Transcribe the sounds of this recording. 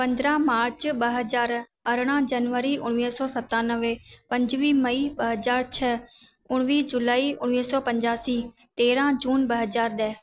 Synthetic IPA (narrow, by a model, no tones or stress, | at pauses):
pɐ̃nd̪ɾãmaːɾt͡ɕɓɐɦɐzaːɾ | ɐɾɽ̃ãd͡ʑɐnʋəɾiʊɽ̃ʋisɔsɐt̪ãnəʋepɐ̃ɲd͡ʑʋimɐiɓɐɦɐzaːɾt͡ɕʰɐ | ʊɽ̃ʋiːd͡ʑʊlaːiʊɽ̃ʋiːsɔpɐ̃ɲd͡ʑaːsi | t̪eːɾãd͡ʑuːnɓɐɦɐzaːɾɗɐɦ